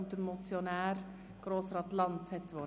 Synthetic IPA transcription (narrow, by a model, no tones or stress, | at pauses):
nt̪əɾmɔt͡sjonæːɾ | ɡ̥ɾoːsəɾɑt̪lɑnt̪sɛtt͡sʋɔ